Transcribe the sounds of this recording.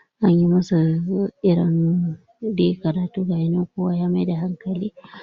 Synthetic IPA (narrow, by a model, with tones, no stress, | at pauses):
ʔa˦ɲji˦mɐ˦su˨ʔɪ˦ɽɔ˦n | de˦kɐ˨ɾaː˨tuː˦ɡa˨jɪ˦nɪ˦kʷoː˦wa˦jaː˦ma˦jda˨ha˦ŋkɐ˨liː˦